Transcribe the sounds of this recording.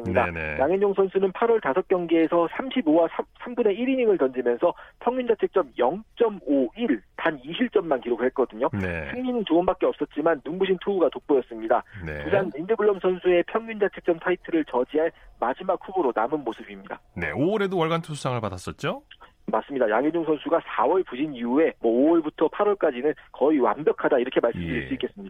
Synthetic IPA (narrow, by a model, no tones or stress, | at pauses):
sɯmɲidanḛjaŋɦend͡ʑoŋsʰʌnsʰunɯnpʰaɾwʌɭtasʰʌk͈jʌŋɡeːsʰʌsʰamɕʰibowasʰsʰambune̞iɾiɲiŋɯɭtʌnd͡ʑimjʌnsʰʌpʰjʌŋɲund͡ʑat͡ɕʰe̞k̚t͡ɕ͈ʌmjʌŋt͡ɕ͈ʌmoiɭtaniɕʰiɭt͡ɕ͈ʌmːankiɾokɭhet̚k͈ʌdɯɲoesʰeŋɲinɯnt͡ɕoɯnbak͈eʌps͈ʌt̚t͡ɕ͈imanːuŋbuɕʰintʰuuɡatok̚p͈ujʌs͈ɯmɲidanepusanmindɯbɯɭːʌmsʰʌnsʰue̞pʰjʌŋɲund͡ʑat͡ɕʰe̞k̚t͡ɕ͈ʌmtʰaitʰɯɾɯɭt͡ɕʌd͡ʑiɦaɭmad͡ʑimak̚ɸuboɾonamɯnmosʰɯbimɲida̰ne̞̰oɾe̞dowʌɭɡantʰosʰusʰaŋɯɭpadas͈ʌt̚t͡ɕ͈o | mas͈ɯmɲidajaŋed͡ʑuŋsʰʌnsʰuɡasʰawʌɭpud͡ʑiniue̞mwʌoʌɭbutʰʌpʰaɾwʌɭk͈ad͡ʑinɯnkʌiwa̰mbjʌkʰadaiɾʌkʰe̞maɭss͈ɯmdɯɾis͈uik͈es͈ɯmɲida